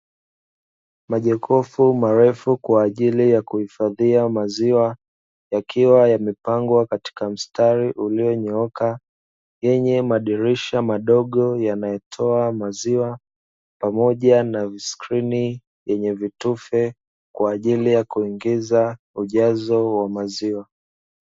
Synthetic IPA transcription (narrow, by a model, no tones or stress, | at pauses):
maʄɛkʰɔfumaɾɛfukwaːʄilijakuhifaðiamaziwa | jakʰiwajamipaŋɡwakati̥kam̩staɾiʔuliɔɲɔɔka | jɛɲɛmaɗiɾiʃamaɗɔɠɔjanajɛtʰɔamaziwa | pamɔʄanaviskɾini | jɛɲɛvitufɛ | kwaːʄilijakuiŋɡiza | uʄazɔwamaziwa